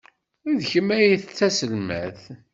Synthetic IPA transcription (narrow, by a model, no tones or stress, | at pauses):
iðçəmːæjiθt͡sːæsəlmæ̰θ